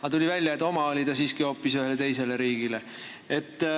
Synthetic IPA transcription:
ɑt̪ulʲivælʲjɑet̪ːˑo̞mɑo̞lʲit̪ɑsiːskio̞ːpːˑisyɦe̞let̪e̞js̬e̞le̞ɾiːɡ̥ile | e̞t̪ːˑ

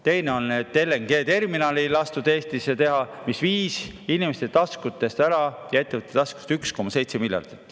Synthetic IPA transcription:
t̪e̞jne̞o̞nːet̪ːe̞lːeŋɡ̥e̞ːt̪e̞rminɑːlilɑst̪ud̪̥e̞ːst̪iset̪e̞ɦɑmisviːsinimest̪et̪ɑskut̪ːˑe̞st̪æɾɑjɑe̞t̪ːevət̪ːet̪ɑsku̥st̪yksko̞mːɑse̞jt̪se̞milʲjɑ̰rd̪̥it̪ːˑ

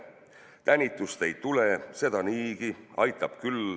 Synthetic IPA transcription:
t̪ænʲit̪ːˑust̪e̞jt̪ule̞se̞d̪̥ɑniːɡ̥iɑ̰jt̪ːˑɑb̥̚kyl

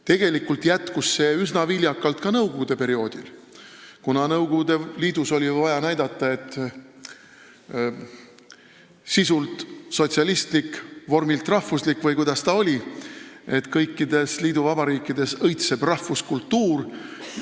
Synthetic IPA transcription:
t̪e̞ɡ̥e̞likːˑult̪jæt̪kusːe̞ysnɑvilʲjɑkːˑɑlt̪kɑnɤwɡo̞ɡ̥ud̪̥e̞pe̞ɾio̞ːd̪il | kunɑnɤwɡoɡud̪̥e̞liːd̪̥uso̞lʲivɑjɑnæjd̪̥ɑt̪ːˑɑe̞t̪ːˑ | sisult̪so̞t̪ʲsiɑlist̪likvo̞rmilt̪ˑrɑhvuslikːvɤjkujd̪ɑst̪ɑo̞lʲi | e̞t̪ːkɤjkˑːid̪e̞sliːd̪uvɑbɑɾiːkːˑid̪̥e̞sɤjt̪se̞b̥rɑhvuskult̪ːuːr

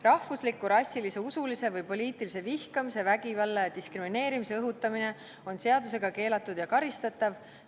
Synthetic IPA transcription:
rɑhvuslikːuɾɑsʲːilise̞usulise̞vɤjpo̞lʲiːt̪ːˑilis̬e̞vihkɑmise̞væɡivɑlːejɑd̪iskrimine̞ːɾimise̞ɤɦut̪ːˑɑmine̞ | o̞nse̞ɑd̪us̬e̞ɡ̥ɑke̞ːlɑt̪ːˑud̪̥jɑkɑɾist̪ɑt̪ːˑɑv

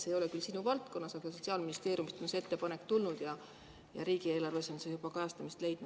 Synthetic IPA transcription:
sejo̞lekylsinuvɑlt̪̚ko̞nːɑsɑɡ̥ɑso̞tsiɑːlminist̪e̞ːɾjumist̪o̞nseet̪ːepɑnekːt̪ulnud̪̥jɑ | jɑ̰ɾiːɡie̞ːlɑrve̞so̞nsejub̥ɑkɑjɑst̪ɑmist̪le̞jd̪̥nu̥

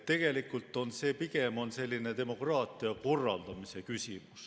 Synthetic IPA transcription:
t̪ːe̞ɡ̥e̞likːˑult̪ːˑo̞nse̞ːpiɡe̞mo̞nse̞lʲːine̞t̪e̞mo̞krɑːt̪ˑiɑko̞rːɑld̪̥ɑmise̞kysʲimus

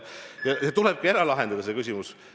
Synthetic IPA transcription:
jɑjɑt̪uleb̥̚kɑeɾɑlɑɦe̞nd̪ɑd̪ɑsekysʲimus

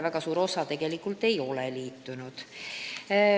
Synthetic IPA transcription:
væɡ̥ɑsuːɾo̞sɑt̪e̞ɡ̥e̞likːult̪e̞jo̞lɛliːt̪ːunud̪̥

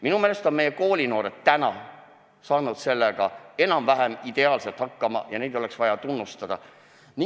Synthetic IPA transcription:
minumeːle̞st̪omejeko̞ːlʲino̞ːɾet̪t̪ːænɑ | sɑːnud̪̥se̞lːeɡ̥ɑe̞nɑmvæɦemid̪̥e̞ɑːlselt̪hɑkːɑmɑ̰jɑne̞jd̪o̞le̞ksvɑjɑt̪unːust̪ɑd̪̥ɑ̰ | ni

